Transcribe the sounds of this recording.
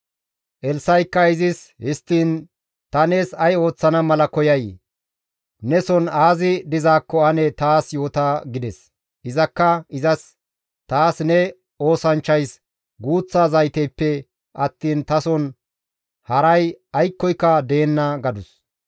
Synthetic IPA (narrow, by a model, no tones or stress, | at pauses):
ʔɛlsɐjkːɐɪzɪshɪst̪ːiːn | t̪ɐne̞ːsɐjo̞ːt͡sːɐnɐmɐlɐkɔjɐj | nɛsɔnaːzɪd̪ɪzaːkːɔɐnɛt̪aːsjo̞ːt̪aːɡɪd̪ɛs | ɪzɐkːɐɪzɐs | t̪aːsnɛ | o̞ːsɐnt͡ʃːɐjs | ɡuːt͡sːaːzɐjt̪ɛjpːɛ | ʔɐt̪ːiːnt̪ɐsɔn | hɐɾɐjɐjkːɔjkːɐd̪e̞ːnːɐɡɐd̪ʊs